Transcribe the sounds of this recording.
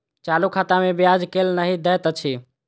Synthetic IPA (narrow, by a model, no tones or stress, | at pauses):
t͡ʃalukʰat̪amebjad͡ʒkelnəɦid̪ɛt̪ət͡ʃʰi